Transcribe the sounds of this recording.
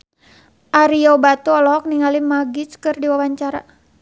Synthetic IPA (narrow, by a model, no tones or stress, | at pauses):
ʔaɾiɔbat̪uɔlɔk̚niŋalimaɡit͡ʃkɨrdiwawaɲt͡ʃaɾa